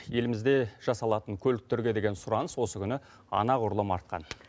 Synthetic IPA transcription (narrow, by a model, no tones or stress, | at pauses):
je̞lɪmɪzd̪e̞ʒ̥ɑsɑlˠɑt̪əŋkʲʰɵlɪk̚t̪eɾɡʲe̞d̪e̞ɡʲe̞nsʊɾɑnəswo̞səkʲʰʏnɪ | ɑ̰nɑʁʊɾlˠəmɑɾt̪̚qɑ̰n